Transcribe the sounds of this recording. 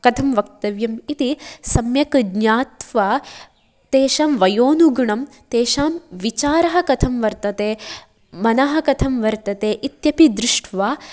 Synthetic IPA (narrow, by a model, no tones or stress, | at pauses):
kɐt̪ʰɐmʋɐk̚t̪ɐʋjɐmit̪isɐmjɐkɡɲaːt̪ʋaː | t̪eːʃaːmʋɐjoːnuɡɐɳɐm | t̪eːʃaːmʋit͡ʃaːɾɐɦɐ̆kɐt̪ʰɐmʋɐɾt̪ɐt̪eː | mɐnɐɦɐ̆kɐt̪ʰɐmʋɐɾt̪ɐt̪eːʔit̪jɐpid̪ɾuʂʈʰʋaː